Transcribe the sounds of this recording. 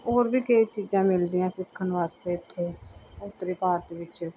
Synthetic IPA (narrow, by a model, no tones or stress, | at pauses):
oːɾbʱikəit͡ʃiːzãmɪld̪iãsɪpkʰənʋaːst̪et̪ʰːeʊt̪ːɾipaːɾt̪ʋɪt͡ʃ